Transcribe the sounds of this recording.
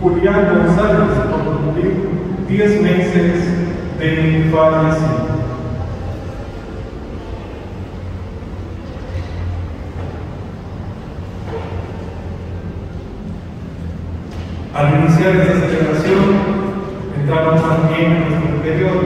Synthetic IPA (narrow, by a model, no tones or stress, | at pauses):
uljanɡonsaleskookuliɾd̪jezmesezðefanjasino | alinisjaɾest̪saseleβɾasjon | ent̪ɾaβamosambjenenwest̪ɾɾepeɾjoðo